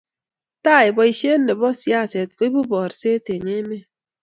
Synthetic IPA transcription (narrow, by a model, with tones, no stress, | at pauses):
ta˦˨jbɔ˨i˨ʃe˦nːe˨bɔ˦sja˦˨se˨t̚ko˦i˦bu˦bɔ˨ɾse˦te˨ɲe˦me˦